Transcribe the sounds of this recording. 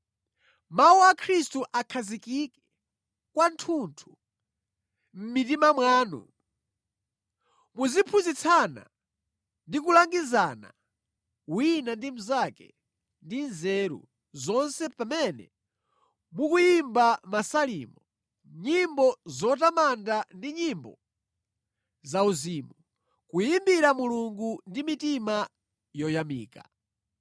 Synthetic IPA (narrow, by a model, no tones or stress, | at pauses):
mawuakʰɾistuʔakʰazikikɛ̥ | kwantʰuntʰu | m̩mit̬imamwaːnṵ | muzipʰuzit͡sʰana̰ | ndik̬ulaŋɡizaːna̰ | winandim̩zakɛ̰ | ndinzɛɾṵ | zɔnsɛpamɛnɛ̰ | mukujimbamasalḭmɔ | ɲimbɔzɔtamandandiɲimbɔ | zauziːmu | kujimbiɾamuluŋɡundimitima | jɔjamiːka̰